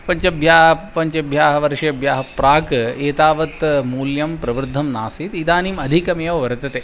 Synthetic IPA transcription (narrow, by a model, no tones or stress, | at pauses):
pɐɲt͡ʃɐbʱjaːɦpɐɲt͡ʃɐbʱjaːɦɐʋɐɾʂɐɐbʱjaːɦɐpɾaːkeːt̪aːʋɐt̪muːljɐmpɾɐʋɾd̪ʱːɐmnaːsit̪id̪aːnimɐd̪ʱikɐmeːʋɐʋɐɾt̪ɐt̪eː